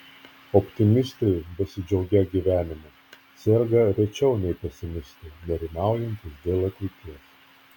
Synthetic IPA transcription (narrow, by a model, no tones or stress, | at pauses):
ɔpʲt̪ʲɪmʲɪst̪ɐɪbʲɛsʲɪd͡ʒʲɛʊɡʲɛɡʲiʋʲæːnʲɪmɐ | sʲɛɾɡɐɾʲɛt͡ʃʲɛʊnʲɛɪpʲɛsʲɪmʲɪsʲt̪ɐɪnʲɛɾʲɪnɑˑʊjɛnʲt̪ʲɪsd̪ʲeːlˠɐt̪ʲlʲɪɪt̪ʲiɛs